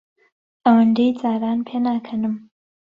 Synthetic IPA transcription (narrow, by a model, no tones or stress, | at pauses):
ʔɐwɨnd̪ejd͡zaːɾaːnpʰeːnaːkʰɐnɨm